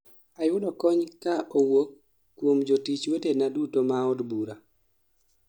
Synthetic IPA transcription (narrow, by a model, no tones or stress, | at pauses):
ajʊdɔkɔɲkaʔowokː | womd͡ʒotit͡ʃwetenadutomaɔdbuɾa